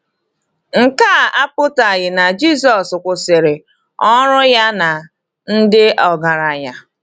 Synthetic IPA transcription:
ŋ̩˨ka˦˨a˦pʊ˦ta˨ɣɪ˨na˨d͡ʒi˦˨s̬ɔ˨skʷʊ˨sɪ˨ɾɪ˨ | ɔ˦ɾʊ˦ja˦na˨ | n̩˦dɪ˦ʔɔ˨ɡa˨ɾa˨ja˦

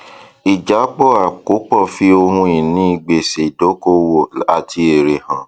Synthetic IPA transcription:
i˨d͡ʒa˨˦k͡pɔ˦˨a˨ko˨˦k͡pɔ˦˨fi˧˦o˧hũ˧ĩ˨nĩ˦i˧ɡ͡be˨se˨do˨˦ko˦wo˦˨a˨ti˧e˨ɾe˨hã˨

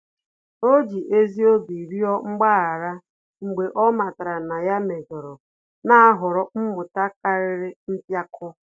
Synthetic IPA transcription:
o˦d͡ʒi˨ʔe˦zi˦o˦bi˨ɾi˦ɔ˦ŋ͡m̩˦ɡ͡ba˦a˨ɾa˦ | ŋ͡m̩˨ɡ͡be˨ʔɔ˦ma˨ta˨ɾa˨na˨ja˦me˨ɡɔ˨ɾɔ˨ | na˦a˦ɦʊ˨ɾɔ˦m̩˦mʊ˨ta˦ka˦ɾɪ˦ɾɪ˦n̩˦pja˦kʰɔ˦

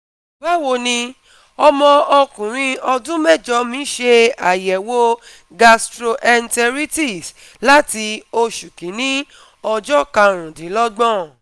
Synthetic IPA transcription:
ba˦wo˧nĩ˧ | ɔ˧mɔ̃˧ɔ˧kũ˨ɾ̃ĩ˧ɔ˧dũ˦mɛ˦˨d͡ʒɔ˨˦mĩ˦ʃe˧a˨jɛ˨wo˧ | ɡa˧stɾo˧ʔɛ˧ntɛ˧ɾi˦ti˦˨s | la˦ti˧o˧ʃu˨kĩ˨˦nĩ˦ | ɔ˧d͡ʒɔ˦kã˧ɾ̃ũ˨dĩ˨˦lɔ˦ɡ͡bɔ̃˦

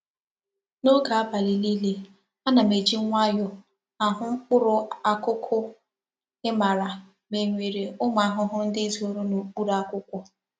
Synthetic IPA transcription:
no˦ɡa˨a˦ba˨li˨li˦le˦ | a˦na˨me˨d͡ʒi˦ŋʷa˦jʊ˨ | a˨ɦʊ˦ŋ͡m̩˦k͡pʊ˦ɾʊ˦a˦kʊ˦kʰʊ˦ | ɪ˦ma˨ɾa˨ | me˨ŋʷe˨ɾe˨ʊ˦ma˨a˦˨ɦʊ˦ɦʊ˦n̩˦dɪ˦zo˨ɾu˦no˨k͡pu˦ɾa˦kʊ˦kʷʊ˦

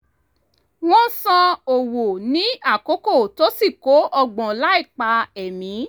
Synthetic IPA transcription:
w̃ɔ̃˦sã˧o˨wo˨nĩ˦a˦˨ko˨˦ko˦˨to˨˦si˦˨ko˨˦ʔɔ˧ɡ͡bɔ̃˨la˨˦i˦˨k͡pa˧ɛ˨mĩ˨˦

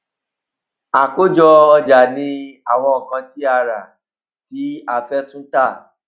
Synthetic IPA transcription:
a˨ko˦d͡ʒɔ˧ɔ˧d͡ʒa˨nĩ˧a˨w̃ɔ̃˧o˨kã˧ti˦a˧ɾa˨ | ti˨˦a˦fɛ˦tũ˦ta˦˨

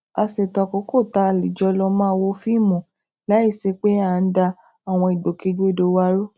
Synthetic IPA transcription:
a˧se˨ta˨ko˨˦ko˦˨ta˧li˨d͡ʒɔ˧˦lɔ˧mã˦˧wo˧˦fi˦˨mũ˨ | la˦i˦˨se˧k͡pe˦a˦˨n̩˦da˧ | a˨w̃ɔ̃˧i˨ɡ͡bo˨ki˨˧˦ɡo˦˨do˧˦wa˦ɾo˦

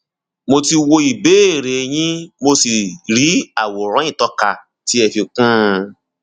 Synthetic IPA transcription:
mo˧ti˧wo˧i˨be˨˦e˦˨ɾe˨j̃ĩ˦mo˧si˨ɾi˨˦a˦˨wo˨ɾ̃ɔ̃˨˦ĩ˦˨tɔ˨˦ka˧˨ | ti˦ɛ˧fi˧kã˦˧

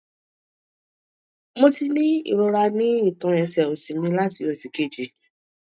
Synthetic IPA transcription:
mo˧ti˧nĩ˦ḭ˦˨ɾo˧ɾa˧nĩ˦i˦˨tɔ̃˨˧˦ɛ˧˨sɛ˨o˨si˨mĩ˧la˦ti˨˧˦o˨ti˨ke˦˨d͡ʒi˨˦

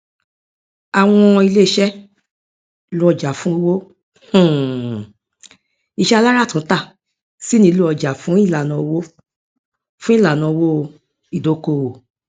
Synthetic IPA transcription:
a˨w̃ɔ̃˧i˧le˦ʃɛ˦ | lu˦ɔ˧d͡ʒa˨fũ˦o˧wo˦ | h̩˨ | i˨˧ʃɛ˦a˧la˦ɾa˦˨tũ˨˦ta˦˨ | si˦nĩ˧˦˧lu˦ɔ˧˨d͡ʒa˨fũ˨˦i˦˨la˨nã˨˧wo˦ | fũ˦ĩ˦˨la˨nã˨˧wo˦ | i˦˨do˨˦ko˧˨o˨

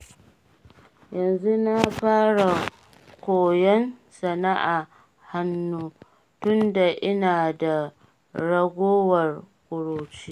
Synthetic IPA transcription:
jɐ˨nzu˦na˦ɸaː˦ɽa˨ | kʷoː˨jɛ˦nsɐ˨na˦ʔa˨ | ha˦nːuː˦ | tʊ˦nda˨ʔɪ˦naː˨da˨ | ɽɐ˦ɡʷoː˦wɐ˨r | kʷʼʊ˨ɽoː˨t͡ʃi˦

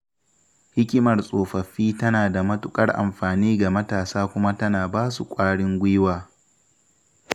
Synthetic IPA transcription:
hɪ˦kʲɪ˦mɐ˨rsʼoː˨ɸɐ˨ɸiː˦tɐ˦naː˨da˨mɐ˦tʊ˦kʼɐ˦rʔa̰˨mɸaː˨niː˦ɡa˨mɐ˦taː˨saː˦kʷʊ˦ma˦tɐ˦naː˨baː˦sṵ˨kʷʼaː˦ɽɪ˦ŋɡʷɪ˦waː˨

